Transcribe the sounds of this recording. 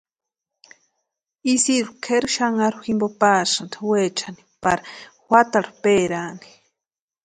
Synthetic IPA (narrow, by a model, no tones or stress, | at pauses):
isiɾukʰeɾuʃaŋaɾuximbopasant̪ʰwet͡ʃʰani̥pa̰ɾawʷat̪aɾupeːɾaːni̥